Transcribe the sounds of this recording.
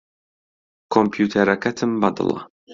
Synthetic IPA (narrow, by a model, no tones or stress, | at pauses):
kʰompjut̪ʰɛɾakæt̪ʰɨmbɑd̪ɨ̰lˠɑ̰